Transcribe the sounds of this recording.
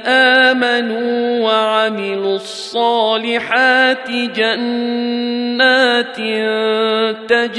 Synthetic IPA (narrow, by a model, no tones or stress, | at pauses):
ʔaːmanuːwaʕamɪlʊsˤːɑːlɪħaːt̪ɪd͡ʒanː | aːt̪ɪ | t̪ad͡ʒ